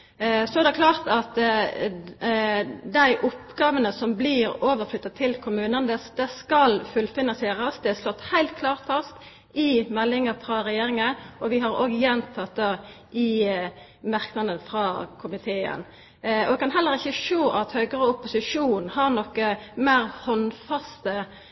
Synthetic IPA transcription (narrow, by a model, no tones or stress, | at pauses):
sɔɛʁd̪ɛkʰlɑːʁt̪ɑt̪ | d̪æɪʔʊpɡɑːʋənəsɔmblɪɾoːʋəɾflʏt̪ːɑt̪ʰɪlkʰʊmʉːnənd̪ɛsd̪ɛskɑlfʉlfɪnɑnseːʁəsd̪ɛæʂlɔt̪ːhæɪlt̪̚kʰlɑːʁt̪fɑst̪ | ɪmɛlːɪŋəfɾɑɾɛjeːɾɪŋəʔɔʋɪɦɑɾo̰ːɡəjɛnt̪ʰɑt̪̚d̪ɑ | ʔɪ | mɑʁknɑd̪ənfɾɑkʰʊmɪt̪ʰeːə̰n | ɔ̰dɛkʰɑnɦɛlːəɾɪçːəʂoːʔɑt̪hœːɡəʁəʊpʊsɪʂuːnhɑɾnɔkːəmæːɾhɔnfɑst̪ə